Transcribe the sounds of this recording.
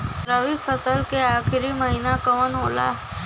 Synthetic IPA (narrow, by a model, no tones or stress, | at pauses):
ɾəʋifəsəlkeaːxɪɾiməɦiːnakəʋənɦoːla̰ː